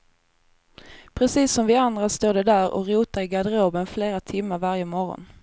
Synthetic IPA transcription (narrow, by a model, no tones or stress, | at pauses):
pʰɾɛsiːsɔmvɪand̪ɾast̪oːɖɛd̪æːɾɔ̰ɾuːt̪aɾɪɡad̪əɾoːbənfleːɾat̪ʰɪmːaɾvaɾjəmɔɾɔ̰n